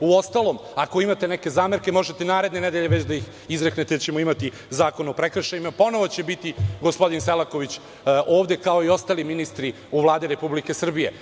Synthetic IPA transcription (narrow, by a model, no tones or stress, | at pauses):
uost̪alˠo̞mako̞imat̪eneke̞zaːmeɾke̞mo̞ʒet̪e̞naːɾe̞d̪ne̞ned̪eʎeʋet͡ɕd̪aix | izɾeknet̪et͡ɕe̞moimat̪i | zaːko̞nopɾekr̩ʃajimapo̞no̞ʋo̞t͡ɕe̞bit̪iɡospo̞d̪inselˠako̞ʋit͡ɕ | ʔoːʋd̪e̞kao̞io̞st̪aliminist̪ɾi | uʋlˠaːd̪iɾe̞publike̞sr̩bije̞